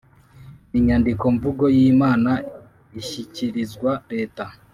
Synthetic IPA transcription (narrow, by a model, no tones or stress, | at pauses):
iɲandiko̞ɱvuɡo̞jiːmaːna | içiciɾizɡwaɾe̞ːta